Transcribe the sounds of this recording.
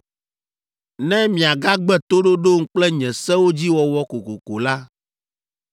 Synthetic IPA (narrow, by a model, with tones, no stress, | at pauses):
nɛ̃˦mĩ˨a˨ɡa˦ɡ͡bɛ˦t̪o˦ɖo˦ɖo˦ŋ̩˦k͡plɛ˦ɲɛ̃˨sɛ˦wo˦d͡ʑi˦wɔ˨wɔ˦ko˨ko˨ko˨la˦